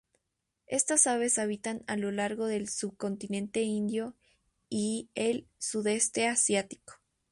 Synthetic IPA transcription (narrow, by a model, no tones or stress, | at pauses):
e̞st̪asaβe̞saβ̞it̪analo̞laɾɣo̞ðe̞lsuβ̚ko̞nt̪inẽ̞nt̪e̞ind̪jo̞ | ielsuðe̞st̪e̞asjat̪i̥ko̥